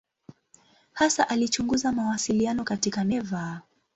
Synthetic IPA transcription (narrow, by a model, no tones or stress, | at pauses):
hasaʔalit͡ʃuŋɡuzamawasilianɔkatikanɛva